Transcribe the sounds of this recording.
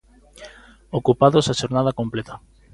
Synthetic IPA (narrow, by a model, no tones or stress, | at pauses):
okupaðosaʃoɾnaðakomplet̪a